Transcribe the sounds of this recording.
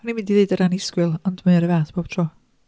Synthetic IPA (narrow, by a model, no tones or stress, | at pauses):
ɔnimɪ̃ndiðeɨdəɾanɪskwɨlˠɔndmənaɾəvaːθb̥ob̥̚tʰrɔː